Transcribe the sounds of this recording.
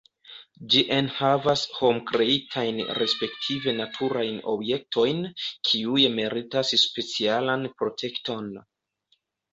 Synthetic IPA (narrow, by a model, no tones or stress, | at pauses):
d͡ʒiʔe̞nhavasho̞mkɾe̞itʰajnɾe̞spe̞ktʰive̞natʰuɾajno̞̰bje̞k̚tʰo̞jnkʰiujme̞ɾitasspe̞t͡sialanpɾo̞tʰe̞kto̞n